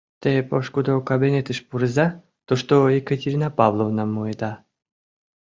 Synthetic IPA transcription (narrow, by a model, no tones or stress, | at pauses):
t̪epoʃkud̪okabenʲet̪ɨʃpuɾɨza | t̪oʂt̪oekət̪ʲeɾʲinapavlˠovnamːoed̪a